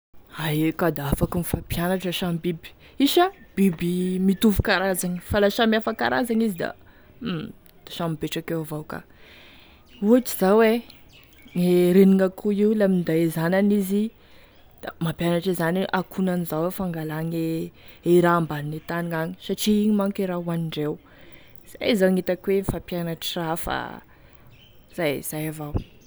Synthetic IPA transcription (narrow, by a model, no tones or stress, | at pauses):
ajkad̪aafakumifapjanaʈ͡ʂəʃamibibi̥ | iʃəb̥ibimit̪uvu̥kaɾazaɲi̥falaʃamiafaka̰ɾazaŋizid̪a̰ | d̪̥ḁʃamibeʈ͡ʂakewavawka̰ | uaʈ͡ʂiz̥awe | eɾeniŋakʰuiulamind̪ajezananizi | d̪̥amapjanaʈ͡ʂizaniʔakʰunanizawefaŋɡalaŋeeɾaːmbaninet̪aniŋaɲi̥saʈ͡ʂiiɲimaŋkiɾaɦuaniɳɖ͡ʐew | z̥a̰jzaŋit̪akwenifapjanaʈ͡ʂirafa̰ | z̥ajz̥ajavaw